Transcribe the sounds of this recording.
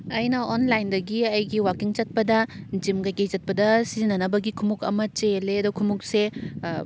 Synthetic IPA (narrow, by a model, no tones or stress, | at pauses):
ɐjnɐonlajndɐɡiɐjɡiwakiŋt͡ʃɐt̚pɐdɐd͡ʒimkajkejzɐt̚pɐdɐsizinːɐnɐbɐɡikʰumukɐ̰mɐt͡ʃeleɐdɔkʰumuk̚se